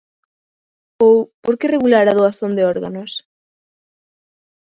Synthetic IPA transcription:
owpoɾkereɣulaɾaðoasond̪eoɾɣanos

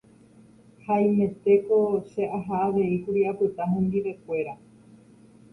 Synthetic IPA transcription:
haj̃mẽ̞t̪e̞ko̞ʃe̞ʔaɦaːʋe̞ikuɾiapɨt̪aɦẽnd̪iʋe̞kʷe̞ɾa

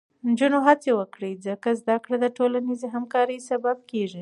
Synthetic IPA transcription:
nd͡ʒunoɦat͡sewəkɽizəkazd̪akɽed̪əʈolanizeɦamkɑɾəjsabab̚keʒi

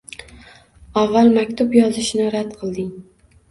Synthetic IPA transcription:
ɒvːalˠmakʲt̪ʰʊpjɒzɪʃnɪɾad̪qʰɨlˠd̪ɪŋ

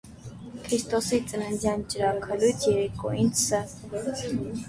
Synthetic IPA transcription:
kʰɾist̪ʰʼɔsit͡sʼnənzant͡ʃʼɾakʰalut̪ʰjɛɾɛkʼɔ̰insə

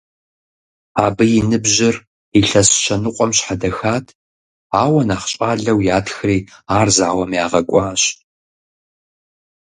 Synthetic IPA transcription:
aːbɨjɪnɨbʒɪr | iɬɐsʃʰɐnɨqʷʼɔmɕħadɐxaːtʰ | aːwɐnaːχɕʼaːɮɐwjaːtxriːaːrzaːwɐmjaːʁɐkʷʼɑːɕ

